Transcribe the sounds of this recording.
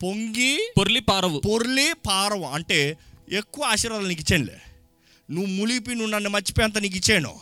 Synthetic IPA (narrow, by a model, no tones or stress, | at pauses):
poŋɡipoɾlipaːɾɐʋupoɾlipaːɾɐʋuɐɳʈeːekːuʋɐaːʂiːɾʋaːðɐlnik̬ːit͡ʃːeːnlḛ | nuːmulip̬ːinuːnɐnːemɐt͡ʃːi̥peːɐnt̪̬ːɐnik̬ːit͡ʃːeːnõ̰ː